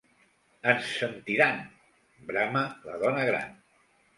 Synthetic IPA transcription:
ənsənt̪iɾan | bɾamələðɔnəɣɾa̰n

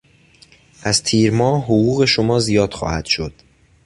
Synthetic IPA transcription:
ʔæzt̪ʰiːɾmɒːɦoɣuːɣe̞ʃomɒːzijɒːd̪̥xɒ̰ːhæd̪̥ʃo̞d̪̥

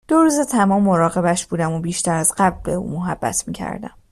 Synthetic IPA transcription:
d̪̥oɾuːzet̪ʰæmɒːmːo̞ɾɒːɣe̞bæʃb̥uːd̪æmobiːʃt̪æɾæzɢæble̞ṵːmo̞ɦæb̥ːæ̰t̪ʰmiːcʰæ̰ɾd̪æ̰m

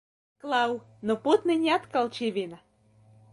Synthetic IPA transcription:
klˠɑw | noput̪ninʲɑt̪kɑlˠt͡ɕiβina

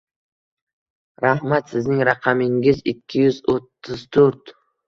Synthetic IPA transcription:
ɾahmat̪sɪznɪŋɾaqʰɑmɪŋɪzɪkʲʰːɪjʏzot̪ʰːʊzt̪ʰɵɾt̪

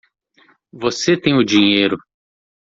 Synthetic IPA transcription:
voset̪ẽj̃ʊd͡ʒiɲejɾʊ

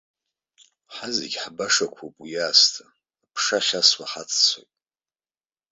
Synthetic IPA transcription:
ħazḛɡʲħbaʂakʷʰupʼujaːstʰaː | pʰʂaʃaswaħat͡sʰʼt͡sʷʰojtʼ

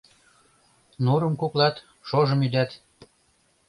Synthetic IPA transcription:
nuɾəmkuklɑt̪ | ʃoʒə̆myd̪æt̪

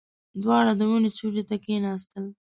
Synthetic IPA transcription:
d̪wɑɽad̪əmunet͡sud͡ʒet̪akenɑst̪əl

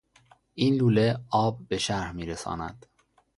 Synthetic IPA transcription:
ʔiːnluːle̞ɒːb̚ːe̞ʃæɾhmiːɾesɒ̰ːnæ̰d̪̥

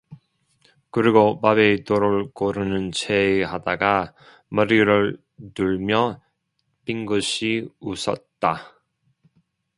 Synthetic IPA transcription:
kɯɾiɡopabetoɾɯɭkoɾɯnɯnt͡ɕʰeːɦadaɡa | mʌɾiɾɯɭ | tuɭmjʌ | piŋɡɯɕʰiusʰʌ̰t̚t͈a

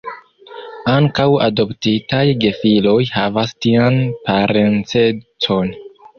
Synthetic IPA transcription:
aŋkawa̰do̞ptitajɡe̞filo̞jhavastianpaɾʔe̞nt͡se̞t͡so̞n

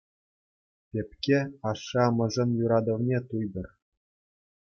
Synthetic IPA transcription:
tʲepʲkʲeɑʂːɑmɤ̆ʐɤ̆njuɾɑd̪ɤ̆ʋnʲet̪ujb̪ɤ̆r

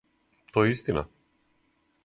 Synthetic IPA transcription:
t̪ɔɛist̪ina̰

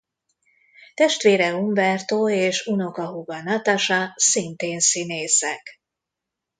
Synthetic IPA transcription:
t̪ɛʃt̪ʋeːɾɛuɱvɛrt̪oːeːʃunokɒɦuɡɒnɒt̪aʃɒsint̪eːnsineːsɛk

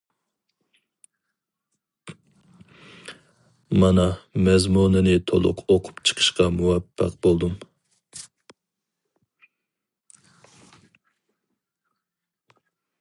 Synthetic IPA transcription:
mɑnɑmɛzmunɨnɨt̪ʰo̰lˠʊ̰qʰoqʰʊ̥pt͡ʃʰə̥qʰə̥ʃqɑmuwɛpːæ̰qbolˠd̪um

